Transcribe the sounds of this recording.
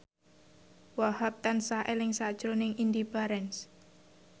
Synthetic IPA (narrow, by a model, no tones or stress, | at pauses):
wahap̚t̪ansaʔelɪŋsad̥ʒ̥ɾonɪŋind̪ipaɾɛns